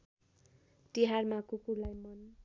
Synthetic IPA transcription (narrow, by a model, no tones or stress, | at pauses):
tiɦarmakukulajmʌn